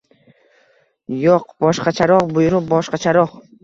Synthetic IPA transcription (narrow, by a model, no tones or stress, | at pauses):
joqbɒʃqɑt͡ʃʰaɾɒʁbʊjɾʊp̚bɒʃqɑt͡ʃʰaɾɒʁ